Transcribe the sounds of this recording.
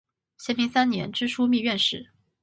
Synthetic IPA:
ɕjɛ˧˥nmi˧˥ŋsa˥nnjɛ̰˧˥nʈ͡ʂɻ̩˥˩ʂu˥mi˥˧ɥɛ˥˧nʂɻ̩˥˩

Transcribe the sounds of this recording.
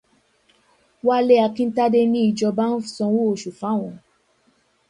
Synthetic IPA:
wa˦le˦a˧kĩ˧n̩˦ta˦de˦nĩ˦i˨˧˨d͡ʒɔ˧ba˦n̩˦sɔ̃˧wo˦o˨ʃu˨fa˨˦˨w̃ɔ̃˨

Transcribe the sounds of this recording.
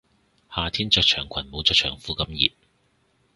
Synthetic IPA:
haː˨˧t̪ʰiː˥nt͡sœː˧k̚t͡ʃʰœː˨˩ŋkʷʰɐ˨˩nmo˨˧wt͡sœː˧k̚t͡ʃʰœː˨˩ŋfuː˨˥kɐ˨˥mjḭː˨t̚

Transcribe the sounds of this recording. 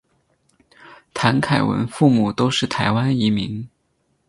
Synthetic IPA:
t̪ʰa˧˥nkʰa˨˩ɪwə̰˧˥nfu˥˩mu˨˩t̪o˥ʊʂɻ̩˥˩t̪ʰa˧˥ɪwa˥ni˧˥mi˧˥ŋ

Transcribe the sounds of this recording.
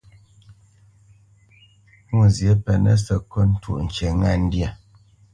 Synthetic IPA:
u˨zje˨˦pɛ˨nə̰˦sə˨kɔ˦n̩˦tʰṵ˦˨ʔn̩˨t͡ʃe˨ŋa˦˨n̩˦djə˨

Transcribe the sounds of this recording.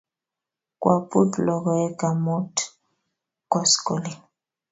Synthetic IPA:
kwʔa˨pu˦tlɔ˨kɔ˨ɛ˦ɡa˨mo˦t | kɔ˦sko˨li˨

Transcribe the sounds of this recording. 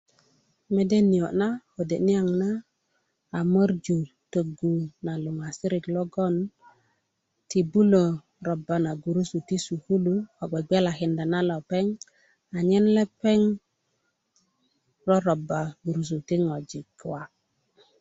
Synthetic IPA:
me˦de˦ni˨o˨na˦o˨de˨ni˦a˨ŋnaː˦˨ | mə˦ɾd͡ʒu˨ | tə˨ɡu˨na˨lu˨ŋa˨si˦ɾi˨klɔ˦ɡɔ˦n | ti˨bu˦lo˨ | ɾɔ˨ba˨na˨ɡu˨ɾu˦su˨ti˦su˨ku˦lu˦ɔ˨ɡ͡bɛ˨ɡ͡bɛ˦la˨ki˨nda˨na˦lɔ˨pɛ˦ŋ | a˨ɲɛ˦nlɛ˦pɛ˦ŋ | ɾɔ˦ɾɔ˨ba˨ɡu˨ɾu˨s̬u˨ti˦ŋɔ˨d͡ʒi˨kwa˨

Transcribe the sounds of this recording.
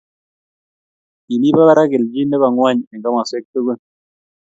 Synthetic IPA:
i˨li˦ba˦ba˦ɾa˦ke˨ld͡ʒi˦ndɛ˦ba˨ŋwa˦ɲɛ˨ŋɡa˦ma˨se˦k̚tu˦ɡo˦n

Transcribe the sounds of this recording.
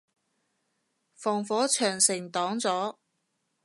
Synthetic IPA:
fɔː˨˩ŋfɔː˨˥t͡ʃʰœː˨˩ŋsɪ˨˩ŋt̪ɔː˨˥ŋt͡sɔː˨˥

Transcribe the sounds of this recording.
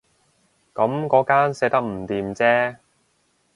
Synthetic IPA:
kɐ˨˥mkɔː˨˥kaː˥nsɛː˨˧˥t̪ɐ˥k̚m̩˨˩t̪iː˨mt͡sɛː˥

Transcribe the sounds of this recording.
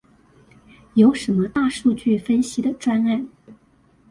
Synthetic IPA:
jo˧˥ʊʂə˧˥nmə˧t̪a˥˧ʂu˥˧t͡ɕy˥˩fə˥nɕi˧˥d̪ə˨ʈ͡ʂwa˥na˥˩n

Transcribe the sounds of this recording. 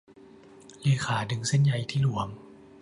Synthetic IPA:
leː˧˦xʰaː˩˦dɯ˧˦ŋse˧˥˨nja˧jt̪ʰiː˥˩lu˨˩˦əm

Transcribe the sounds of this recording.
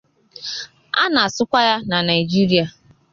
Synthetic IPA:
a˦na˨a˨sʊ˦kʷa˦ja˦na˨na˨i˨d͡ʒi˦ɾi˦a˨

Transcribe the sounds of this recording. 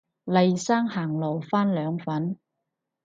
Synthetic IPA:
lɐ˨jsaː˥ŋhaː˨˩ŋlo˨˩wfaː˥nlœː˨˧ŋfɐ˨˥n

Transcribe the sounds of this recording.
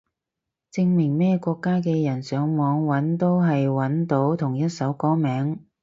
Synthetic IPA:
t͡sɪ˧ŋmɪ˨˩ŋmɛː˥˧kʷɔː˧kːaː˥k̬ɛː˧jɐ˨˩nsœː˨˧ŋmɔː˨˧ŋwɐ˨˥nt̪o˥wɦɐ˨jwɐ˨˥nt̪o˨˥wt̪ʰʊ˨˩ŋjɐ˥t̚sɐ˨˥wkɔː˥mɛː˨˥ŋ

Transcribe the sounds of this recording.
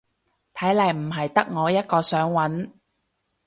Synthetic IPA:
t̪ʰɐ˨˥jlɐ˨˩jm̩˨˩ɦɐ˨jt̪ɐ˥k̚ŋɔː˨˧jɐ˥t̚kɔː˧sœː˨˥ŋwɐ˨˥n

